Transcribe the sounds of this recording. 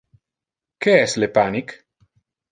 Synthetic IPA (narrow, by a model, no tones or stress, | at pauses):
keɛslepanik